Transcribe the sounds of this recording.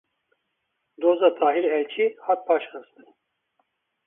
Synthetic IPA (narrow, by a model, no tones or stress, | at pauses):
d̪oːzat̪ʰaːɦilɛlt͡ʃʰihat̪̚pʰaːʃxɨst̪ɨn